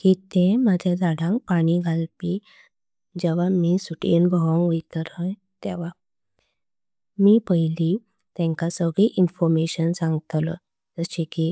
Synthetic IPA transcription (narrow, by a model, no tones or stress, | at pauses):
kiːt̪ẽməd͡ʑʱad͡z̪aɽãŋk̚paɽ̃iɡʱalpi | d͡ʑeʋ̤amisuʈinbʱəɦɔ̃ŋɡʋit̪əɾɦəj | t̪eʋa | miːpəɦili | t̪ɛ̃ŋkasəɡɭiʔinfɔɾmeɕənsãŋɡt̪lə | d͡zəɕiki